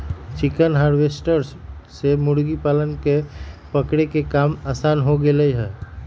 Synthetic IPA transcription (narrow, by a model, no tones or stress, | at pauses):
t͡ʃɪkənɦaːɾʋesʈəɾssemʊɽɡipaːlənkepəkɽekekaːmaːsaːnɦoɡeləiɦɛː